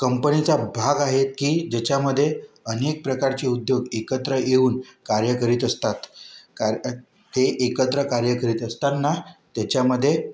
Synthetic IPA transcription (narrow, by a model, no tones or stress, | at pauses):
kəmpənit͡sabʱaɡaɦet̪̚kiːd͡ʑet͡ɕaməd̪ʱːje | ənek̚pɾəkaɾt͡ɕiud̪joɡekət̪ɾəjeuːnkaɾjəkəɾiːt̪əst̪at̪kaɾ | t̪eʔekət̪ɾəkaɾjəkəɾiːt̪əst̪at̪nat̪jat͡ɕjaməd̪ʱːje